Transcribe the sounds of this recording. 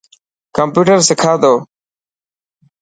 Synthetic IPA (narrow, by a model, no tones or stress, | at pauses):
kəmpjuːʈəɾsɪkʰaːd̪oː